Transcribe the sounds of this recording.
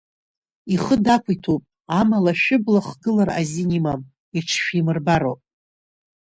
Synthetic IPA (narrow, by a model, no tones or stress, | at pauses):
iχədakʷʰitʰupʼ | amalaʃᶣɪblaχɡɨlara̰zinimam | iʈ͡ʂʰʃᶣimɨrbaɾo̰pʼ